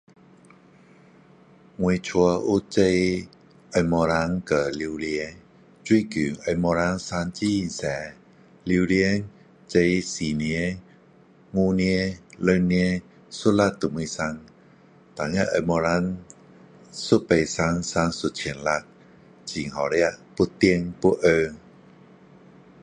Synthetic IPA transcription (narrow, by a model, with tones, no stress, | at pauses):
ŋu˧t͡ʃʰu˧ə˧ʔu˦˥t͡ɕə˧j | ʔə˧jmɔ˧ɾa˧˥ŋkə˧˩li˧wli˧ə˧ | t͡ɕwi˧˦˨kyː˨˩ʔə˧˩mɔ˧ɾa˧˥ŋsa˧˥nt͡ɕi˦˧˨nsɛː˨˧˦ | li˧wli˧ə | t͡ɕə˧jsiː˨˩ni˧ə˦ | ŋu˧ni˧ə˦lə˧ni˧ə˦ | su˦˥t̚la˧˥t̚t̪u˨mɯ˧sa˧ŋ | t̪a˨ŋə˧ʔə˧mɔ˧ɾa˧˥ŋ | su˦˥t̚pə˧jsa˧˥ŋsa˧˥nsu˧˨t̚t͡ɕʰi˨˩ənla˧˩t̚ | t͡ɕi˨˩ŋhɔ˨˩ɾi˦ə˧ʔpu˧˥t̪i˧əŋpu˦˥ʔə˧